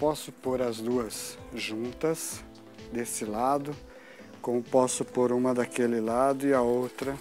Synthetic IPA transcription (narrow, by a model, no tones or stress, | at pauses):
pɔsʊpoɾɐzd̪uɐsʒũnt̪ɐs | d̪esɪlad̪ʊ | kõmʊpɔsʊpoɾũmɐd̪ɐkelɪlad̪ʊɪɐowt̪ɾɐ